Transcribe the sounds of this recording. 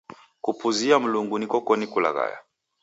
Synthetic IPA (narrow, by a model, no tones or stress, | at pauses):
kupuziam̩luŋɡunikɔkɔnikula̰ɣa̰ja̰